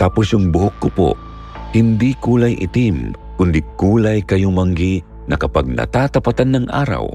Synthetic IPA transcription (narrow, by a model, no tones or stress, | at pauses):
t̪aposjʊŋbʊhokːʊpo̰ | hɪnd̪ikuːlɐjʔɪ̰t̪im | kʊnd̪ikuːlajkɐjomɐŋɡi | nɐkɐpaɡ̚nɐ̰t̪aːt̪ɐpɐt̪anːɐŋʔa̰ːɾɐ̰w